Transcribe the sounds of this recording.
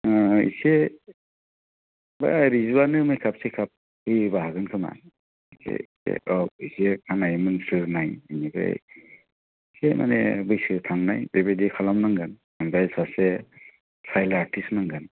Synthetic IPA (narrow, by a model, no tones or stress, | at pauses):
ḭse | ba̰ɾizuanɯmɯjkʰapsekʰap̚ | hɯjbaɦaɡɯnkʰɯma̰ | sʰḛ | ḛɔisekʰanajmɯnsɯɾnajiniba̰j | sema̰nɛ̰bɯjsɯtʰaŋnajbebedikʰalamnaŋɡan | ɯmbajsasɛ | sʰajlatʰisnaŋɡan